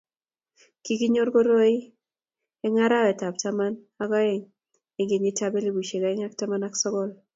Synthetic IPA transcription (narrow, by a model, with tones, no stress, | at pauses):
ki˦ki˦ɲo˦ɾɡo˦ɾo˦ɪ˦ | ɛ˦ŋa˦ɾa˦ɛ˨ta˨p̚ta˦ma˦n | a˦ɡɔ˦ɛ˨ŋ | e˨ɡe˨ɲe˦tabe˦li˨bu˨ʃe˨ɡa˨ɛ˦ŋa˦kta˦ma˦na˦ksɔ˦ɡɔ˦˨l